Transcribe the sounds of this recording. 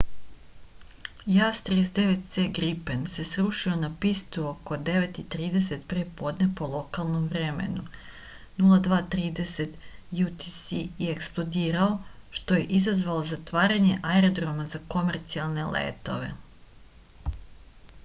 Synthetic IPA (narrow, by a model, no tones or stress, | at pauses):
jast̪ɾesd̪e̞ʋe̞t̪̚t̪seːɡɾipense̞sɾuʃio̞napist̪uoko̞d̪e̞ʋe̞t̪it̪ɾiːd̪e̞se̞t̪pɾepo̞ːd̪nepo̞lˠo̞kalˠno̞mʋɾe̞me̞̰nu | nulˠad̪ʋaːt̪ɾiːd̪e̞se̞t̪jut̪isijeeksplˠo̞d̪iːɾao̞ʃt̪o̞je̞ʔizazʋalozat̪ʋaːɾaɲe̞ʔaeɾod̪ɾo̞mazako̞meɾt̪sialˠne̞lḛːt̪o̞̰ʋe̞̰